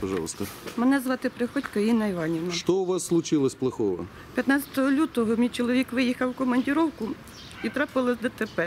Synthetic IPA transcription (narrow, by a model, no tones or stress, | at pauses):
pɐʒɑ̰lˠst̪ɔmɛnɛzʋɑt̪ɪpɾɪxɔtʲkɐinɐiʋɑnʲiwnɐʃt̪ɔʊʋɑsːlˠʊt͡ʃɪlˠɐsʲplˠɐxɔʋɔ̰ | pʲjɐt̪nɑt͡sʲɐ̥t̪ɔɦɔlʲut̪ɔɦɔmʲijt͡ʃɔlˠɔʋʲikʋɪjixɐwkɔmɐnʲdʲɪɾɔwkʊ | it̪ɾɑpɪlˠɐzʲd̪ɐt̪epɛ